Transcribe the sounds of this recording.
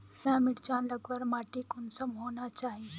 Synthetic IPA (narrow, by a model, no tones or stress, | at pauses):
t̪ãmɪɽt͡ʃãnləɡʋəɾmaʈikʊnsəmɦonat͡ʃaɦie